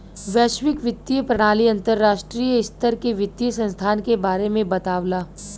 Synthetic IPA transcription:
ʋɛːʃwɪkʋɪd̪iəpɾɐɽ̃aːliɐ̃nt̪əɾːaːʃʈɾijəɪst̪əɾkeʋɪd̪iəsɐ̃nst̪ʰaːnkebaːɾemẽbɐt̪aːwlaː

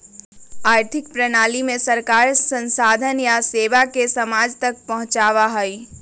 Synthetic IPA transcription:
aːɾt̪ʰɪk̚pɾənaːlimẽsɐɾkaːɾsə̃nsaːd̪ʱənjaseːʋakesɐmaːd͡ʒt̪ɐk̚pɐɦʊ̃t͡ʃaːʋaɦoi

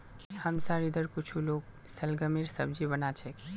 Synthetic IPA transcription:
həmsaɾid̪əɾkut͡ʃʰuloɡ̚ | səlɡəmiɾsəb̚d͡ʒibənat͡ʃʰɛk

